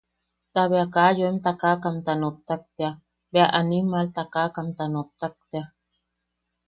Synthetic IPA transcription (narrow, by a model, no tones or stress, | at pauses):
t̪aβeakajoemt̪akakamt̪anot̪ːak̚t̪ea | beaʔanimalt̪akakamt̪anot̪ːak̚t̪ea